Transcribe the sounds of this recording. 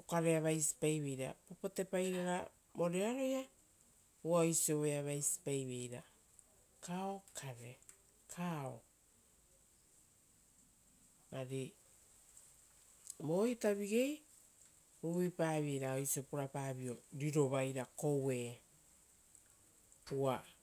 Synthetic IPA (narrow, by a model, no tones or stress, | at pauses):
okaɾe̞aβajsi̥pajβe̞jɾa̰papote̞pajɾaɾa | mo̞ɾeaɾo̞ja | uaojsioβejaβajsi̥pajβe̞jɾa | kaokʰaɾe | kʰao | maɾi | mojtaβiɡe̞j | uβipaːβiejɾaojsiopuɾapaːβio̞ɾiɾo̞βajɾako̞we̞ː | ua